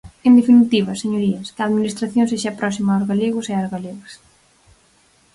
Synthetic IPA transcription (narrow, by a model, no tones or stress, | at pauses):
end̪efinit̪iβɐseɲoɾiɐskaːðminist̪ɾaθjõŋseʃapɾɔsimaːzɣaleɣʊseazɣaleɣas